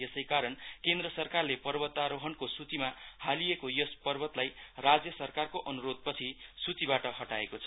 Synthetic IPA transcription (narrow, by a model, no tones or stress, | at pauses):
esʌjkaɾʌnkend̪rʌsʌrkarlepʌrbʌt̪ːaɾoɦʌnkosut͡simahalijekojʌspʌrbʌt̪lajrad͡zjʌsʌrkarkoʔʌnuɾod̪̚pʌt͡sʰisut͡sibaʈʌɦʌʈaekot͡sʰʌ